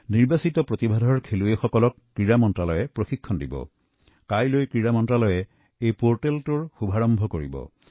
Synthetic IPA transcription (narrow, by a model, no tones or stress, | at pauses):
niɹbasitɔpɹot̪ibʱadʱɔɹkʰeluexɔkɔlɔkːɹiɹamɔntɹalɔjɛpɹoxikʰːɔndḭbɔ̰ | kajlojkɹiɹamɔntɹalɔjɛ | ejpoɹʈeltʊɹxubʱaɹɔmbʱɔkoɹḭbɔ̰